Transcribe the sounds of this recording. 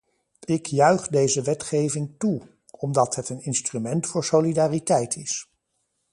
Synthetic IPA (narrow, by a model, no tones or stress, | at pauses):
ɪkjœɥχdejzəʋɛtχejvɪŋtu | ɔmdɑtɦətənɪnstrymɛntfʊːɹsolidaːritɛjtʰɪs